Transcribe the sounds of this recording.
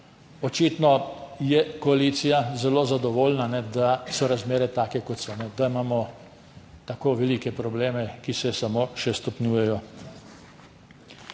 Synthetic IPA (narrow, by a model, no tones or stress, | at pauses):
ɔt͡ʃiːt̪nɔjɛkɔaliːt̪sijazɛloːzad̪ɔʋoːlnanɛd̪asɔɾazmeːɾɛt̪aːkɛkɔt̪sɔnɛd̪aimaːmɔ | t̪akoːʋɛliːkɛpɾɔbleːmɛkisɛsamoːʃɛst̪ɔpnʲjuːjɛjɔ